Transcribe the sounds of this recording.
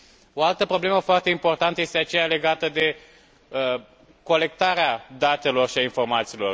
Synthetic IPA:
oalt̪əpɾo̞ble̞məfoart̪e̞impo̞rt̪ant̪əjest̪eat͡ʃe̞jale̞ɡat̪əd̪e̞ | ə | ko̞le̞k̚t̪aɾead̪at̪e̞lo̞rʃiainfo̞rmat̪siːlo̞̰r

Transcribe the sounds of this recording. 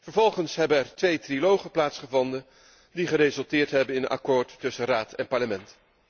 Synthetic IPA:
vəɹvɔlˠχənsɦɛbənɛɹtʋejtrilowχəplaːtsχəvɔndə | diχərezɵlˠtɪːɹtɦɛbənɪnənʔa̰kʊːɹtːɵsəraːtɛnpɑɹləmɛnt

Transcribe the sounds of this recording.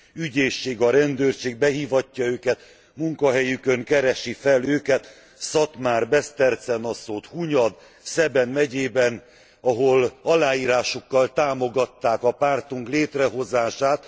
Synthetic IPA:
yɟeːʃːeːɡɒɾɛnd̪øːrʃeːɡ̚bɛɦiːvɒcːɒøːkɛt̪ | muŋkɒɦɛjykøŋkɛɾɛʃifɛløːkɛt̪ | sɒt̪maːrbɛst̪ɛrt̪sɛnɒsoːt̪huɲɒd̪ | sɛbɛnmɛɟeːbɛn | ɒɦolɒlaːiːɾaːʃokːɒlt̪aːmo̞ɡɒt̪ːaːkɒpaːrt̪uŋkleːt̪rɛɦo̞zaːʃaːt̪

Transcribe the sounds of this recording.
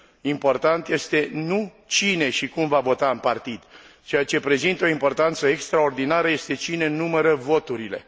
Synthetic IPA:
impo̞rt̪ant̪je̞st̪e̞nu | t͡ʃine̞ʃikumvavo̞t̪aɨnpart̪id̪̥t͡ʃe̞jat͡ʃe̞pɾe̞zint̪o̞impo̞rt̪ant̪səekst̪ɾao̞rd̪inaɾəje̞st̪e̞t͡ʃine̞numəɾəvo̞t̪uɾile̞

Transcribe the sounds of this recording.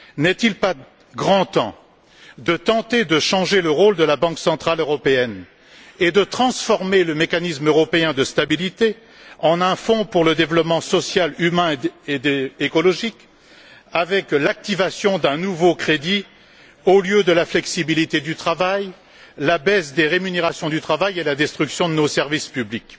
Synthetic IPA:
nɛt̪ilpa | ɡʁɑ̃t̪ɑ̃ | d̪ət̪ɑ̃t̪ed̪əʃɑ̃ʒeləʁold̪əlabɑ̃ksɑ̃t̪χaløʁɔpeɛn | ed̪ət̪χɑ̃sfɔʁmeləmekanismøʁɔpeɛ̃d̪əst̪abilit̪e | ɑ̃nɛ̃fɔ̃puʁləd̪evlɔpmɑ̃sɔsjalymɛ̃ed̪ekɔlɔʒik | avɛklak̚t̪ivasjɔ̃d̪ɛ̃nuvokχed̪i | oljød̪əlaflɛksibilit̪ed̪yt̪χavaj | labɛsd̪eʁemyneʁasjɔ̃d̪yt̪χavajelad̪ɛst̪χyksjɔ̃d̪ənosɛʁvispyblik

